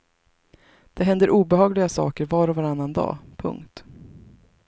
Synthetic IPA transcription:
d̪̥ɛɦɛnd̪əɾʔuːbɛɦɑːɡlɪɡasɑ̰ːkəɾvɑːɾɔvaɾanːand̪ɑ̰ːpʰɵ̰ŋkt̪

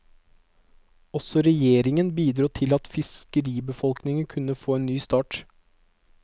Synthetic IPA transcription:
ɔsɔɾɛjeːɾɪŋənbiːd̪ɾuːt̪ʰɪlɑt̪fɪskəɾiːbəfɔlknɪŋənkʰʉnəfoːeːnnyːst̪ɑːʈ

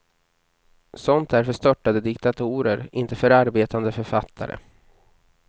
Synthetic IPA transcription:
sɔnt̪̚d̪æɾfœʂt̪œʈːad̪əd̪ɪkt̪at̪ʰuːɾəɾɪnt̪əfœɾaɾbeːt̪and̪əfœɾfat̪ʰːa̰ɾə̰

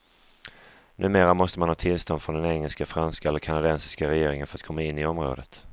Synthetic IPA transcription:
nʔʉ̟ːmeːɾamɔst̪əmanhɑːt̪ʰɪlst̪ɔnd̪fɾɔnd̪ɛnɛŋːɛlskafɾanskaɛlːəɾkʰanad̪ɛnsɪ̥skaɾɛjeːɾɪŋənfœɾat̪̚kʰɔmːaɪnːɪɔmɾo̰ːd̪ət̪

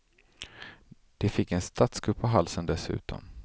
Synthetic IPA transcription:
d̪̥ɛfɪkːɛnst̪ʰat̪sɡɵpːaɦalsənd̪ɛsʉ̟̰ːt̪ʰɔ̰m

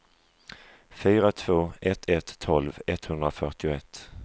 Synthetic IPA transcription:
fyːɾat̪ʰv̥oːɛt̪ʰːɛt̪ʰːɔlvɛt̪hɵnd̪ɾafœʈɪʊɛt̪ː

